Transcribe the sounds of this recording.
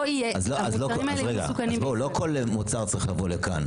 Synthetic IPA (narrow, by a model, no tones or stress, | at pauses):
ijeazloazloimaelʁeɡa̰sukanizmboulokʰo̞lmut͡saʁt͡saʁiχlavo̞leka̰n